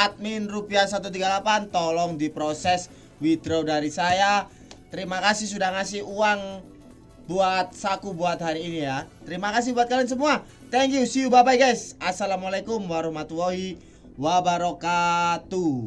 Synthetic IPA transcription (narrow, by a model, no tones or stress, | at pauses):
at̪̚minrupiasat̪̬ut̪̬iɡalapant̪ɔlɔŋdipɾosɛs | widɾodaɾisaja | t̪əɾimakasɪhsudahŋasɪhuaŋ | buat̪̚sakubuat̪haɾiːnijat̪əɾimakas̬ihbuat̪̚kalins̬əmua | t̪ɛŋkjusiubabaiɡajsasalamalajkumwaɾɔhmat̪ulɔɦi | wabaɾɔkat̪u